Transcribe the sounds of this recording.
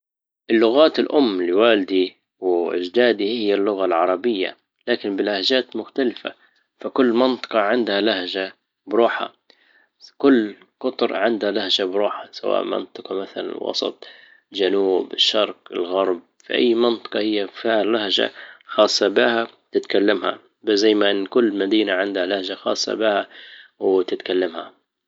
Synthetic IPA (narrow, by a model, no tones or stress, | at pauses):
ʔɪlːʊɣaːt̪ɪlʔʊmːlɪwaːld̪i | wɪʔɪ̰d͡ʒd̪aːd̪ihɪjːalːʊɣalʕɑɾˤɑbɪjːa̰ | laːkɪnbɪlahd͡ʒaːt̪mʊxt̪alɪfa̰ | fakʊlːmɪnt̪ˤɨ̥qɑʕɪnd̪halahʒa | bɾuːħa̰ | kʊlː | qʊt̪ˤɾˤʕɪnd̪halahd͡ʒabɾuːħasawa̰ːʔmɪ̰nt̪ˤɨqɑmaθala̰nɪ̰lwʔɑ̰sˤɑ̰t̪ˤ | ld͡ʒanuːbɪʃːɑɾˤqɪ̰lɣɑɾˤb̚ | fḭʔa̰jːmɪnt̪ˤɑ̥qɑhɪjːafihalahʒa̰xɑːsˤːɑbɪhat̪ɪt̪kalːamha̰ | bzajːmaʔɪnːkʊlːmad̪iːnaʕɪnd̪halahʒaxɑ̰ːsˤːɑ̰bɪhawt̪ɪt̪kalːamha̰